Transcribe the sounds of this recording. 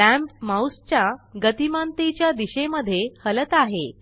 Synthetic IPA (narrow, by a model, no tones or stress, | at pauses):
æ̃mpmawst͡ɕjaɡət̪imant̪et͡ɕjad̪iɕeməd̪ʱːjehələt̪aɦe